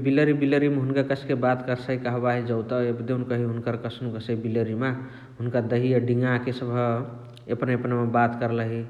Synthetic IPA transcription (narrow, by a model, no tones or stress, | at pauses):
biləɾibiləɾimeɦunkakəsʰkebat̪kəɾsaikəɦbaɦid͡ʒəwt̪əebd̪eunkəɦiɦunkəɾkəsnũkəsəibiləɾime | ɦunkad̪əɦiəɖiŋɡakesəbʱ | epneəpnamebat̪kəɾləɦi